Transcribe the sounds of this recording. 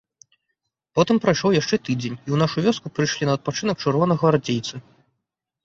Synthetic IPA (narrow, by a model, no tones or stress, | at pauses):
pɔt̪ɨmpɾajʂɔwjaʂt͡ʂɛt̪ɨd͡zʲenʲiwnaʂuvʲɔskupɾɨjʂlʲinɐːt̪̚pat͡ʂɨnɐk̚t͡ʂɨrvɔnɐɣɐɾad͡zʲejt̪sɨ